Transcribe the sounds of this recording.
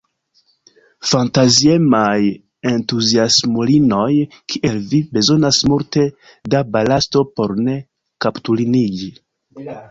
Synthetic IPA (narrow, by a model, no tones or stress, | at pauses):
fantazie̞maj | e̞ntuziasmolino̞j | kʰiʔe̞lvibe̞zo̞nasmulte̞ | dabalasto̞po̞ɾne̞ | kaptuliniɡi